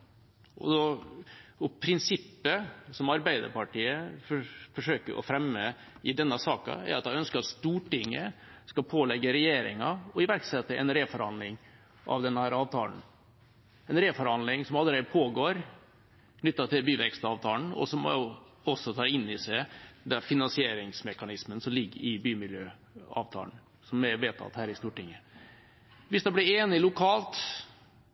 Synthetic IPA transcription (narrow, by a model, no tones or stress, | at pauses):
ʔɔ̰d̪ɔ | ɔpʰɾɪnsɪpːəsɔmɑɾbæɪd̪ə̰ɾpɑʈiːəffɔʂøːkəɾʔɔ̰fɾɛmːə | ɪd̪ɛnːəsɑːkɑ̰æ̰ɾʔɑt̪hɑœnskəɾɑt̪st̪uːʈɪŋːəskɑlpʰoːlɛɡːəɾɛjeːɾɪ̰ŋɑɔɪʋæɾksɛt̪ːəʔɛ̰nɾeːfɔɾɑnd̪lɪŋ | ʔɑ̰ʋd̪ɛnːhæːɾɑːʋt̪ʰɑ̰ːn̩ | ɛnɾeːfɔɾɑnd̪lɪŋsɔmɑlːəɾeːd̪əpʰoːɡoːɾ | kʰnʏt̪ːɑt̪ʰɪlbyːʋɛkst̪ɑːʋt̪ʰɑːln̩ɔ̰sɔmʊ | ɔsːɔt̪ʰɑːɾɪnːɪsæɪd̪ɛfɪnɑnsɪeːɾɪŋsmɛkɑnɪsmənsɔmlɪɡːəɪbyːmɪljøː | ɑ̰ːʋt̪ʰɑ̰ːn̩ | sɔmɛʋeːt̪ʰɑ̰t̪hæːɾɪst̪uːʈɪŋːə | ʋɪsd̪ɛblɪɾeːnɪlʊkʰɑːlt̪